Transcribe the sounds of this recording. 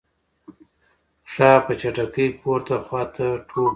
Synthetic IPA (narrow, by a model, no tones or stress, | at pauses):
saːpət͡ʃaʈakəjpoɾt̪axwɑːt̪aʈʰo